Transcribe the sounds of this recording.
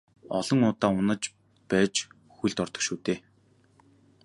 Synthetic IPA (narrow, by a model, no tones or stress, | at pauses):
ɔɮ̥ɞ̆ŋʊːt̪aːʊnə̆t͡ɕ | pæːt͡ɕ | xujɮt̪ɔrt̪ɞ̆kʃuːt̪eː